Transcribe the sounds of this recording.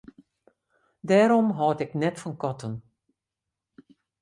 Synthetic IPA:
dɛːɾɔmɦɔːtɪknɛtfɔnkɔtən

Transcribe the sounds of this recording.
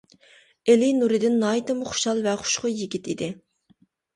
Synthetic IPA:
elinuɾɨd̪ɪnːɑːit̪ɨmʊχʊ̥ʃɑlˠvɛχʊ̥ʃqʊjiɡʲit̪id̪ɪ

